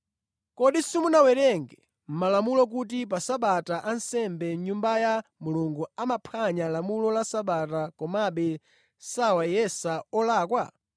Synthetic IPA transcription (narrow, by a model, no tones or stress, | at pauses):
kɔɗisimunawɛɾɛŋɡɛ | m̩malamulɔk̬ut̬ip̬asaɓataʔansɛmbɛɲumbajamuluŋɡuamapʰaɲalamulɔlasaɓatakɔmaɓɛ | sawajɛsaɔlaːkwa